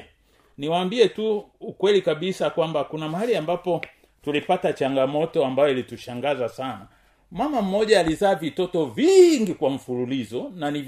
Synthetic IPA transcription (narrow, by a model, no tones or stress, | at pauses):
niwaːmbiɛtuːkwɛlikaɓisakwambakunamahaliambapɔ | tulipatat͡ʃaŋɡamɔtɔambajɔilituʃaŋɡazasana | mamam̩mɔʄaːlizaːvitɔtɔviŋɡikwaɱ̩fululizɔnaniv